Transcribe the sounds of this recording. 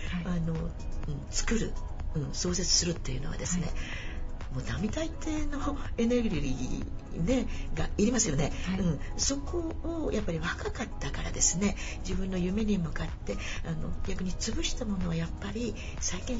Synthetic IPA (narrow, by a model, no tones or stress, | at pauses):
ano̞ | ɯ̟̃ɴt͡sɨ̥kɯ̟ɾɯ̟̰ | ɯ̟̃ɴso̞ːse̞t͡sɨ̥sɨɾɯ̟t̪ːe̞jɯ̟no̞βa̰d̪e̞sɨne̞̰ | moːd̪amʲit̪ait̪e̞ːno̞e̞ne̞ɡɯɾʲiɾʲḭ | ne̞ɡaiɾʲimasɨjo̞ne̞ɯ̟̃ɴso̞ko̞ːjʔapːaɾʲiβakakat̪ːakaɾa̰d̪e̞sɨne̞d͡ʑibɯ̟̃nːo̞jɯ̟me̞ɲ̟imɯ̟kat̪ːe̞ano̞̰ɡʲakɯ̟ɲ̟it͡sɨbɯ̟ɕi̥t̪amo̞no̞βajapːaɾʲi | saikẽ̞